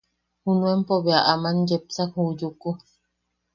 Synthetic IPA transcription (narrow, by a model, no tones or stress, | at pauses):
hunuempoβeaʔamand͡ʒep̚sahud͡ʒuku